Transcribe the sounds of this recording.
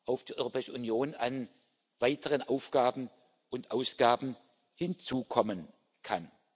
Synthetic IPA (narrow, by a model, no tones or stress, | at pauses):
ʔaʊfd̥iːʔɔʏʁopɛːɪʃəunjoːnan | v̥aɪtʰəʁənʔaʊfɡ̥aːbm̩ | ʔʊntʔaʊsɡ̥aːbm̩ | hɪnt͡suːkʰɔmən | kʰa̰n